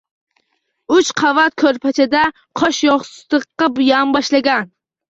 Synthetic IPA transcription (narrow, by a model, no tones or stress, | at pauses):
yt͡ʃqʰɑvɑt̪̚kʲʰøɾpʰɛt͡ʃʰɛd̪ɛ | qʰɑʃjoχst̪əqːɑbujɑmbɑʃlɨɡʲɛn